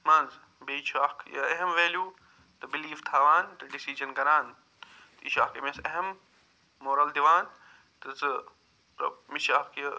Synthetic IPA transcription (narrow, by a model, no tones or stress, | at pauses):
mɐ̃nz | beːʃʰaːkjɐ̰eɦemʋeːljuː | t̪ɐbiliːft̪ʰaːʋaːnt̪ɐɖisid͡ʒɐnkɐɾaːn | t̪iʃaːkemeseɦemː | oːɾɐld̪iʋaːn | t̪ɨzɨ | pɾɐ̰miʃaːkɐ